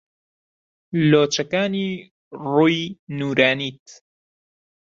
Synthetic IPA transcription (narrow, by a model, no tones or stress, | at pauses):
loːt͡ʃɐkaːniː | ruːjnuːɾaːniːt̪